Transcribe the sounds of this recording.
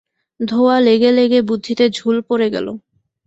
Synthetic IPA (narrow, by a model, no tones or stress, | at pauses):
d̪ʱoaleɡeleɡebud̪ʱːit̪ed͡ʑʱulpoɾeɡɛ̰lo̰